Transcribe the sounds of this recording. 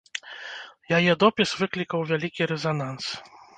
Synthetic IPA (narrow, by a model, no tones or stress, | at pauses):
jajɛd̪ɔpʲisvɨklʲikɐwvʲalʲikʲiɾɛzanans